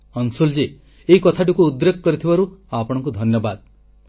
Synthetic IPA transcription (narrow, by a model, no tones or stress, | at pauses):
ɔnsuld͡ʒe | eikɔt̪ʰaʈ̬ukuːd̪ɾekkɔɾit̪ʰibaɾuapɔɽ̃ɔ̃ŋk̬ud̪ʱɔnjɔbad̪